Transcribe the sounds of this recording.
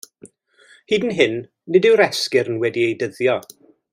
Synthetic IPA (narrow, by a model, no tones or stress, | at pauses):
hiːdən̩ɦɪnː | ɪdɪwɾɛskɪɾənwɛdiejdəðjɔ